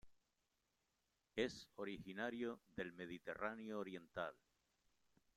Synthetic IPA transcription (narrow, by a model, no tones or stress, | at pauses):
e̞soɾixinaɾjoðe̞lme̞ðit̪e̞ranjoːɾje̞nt̪al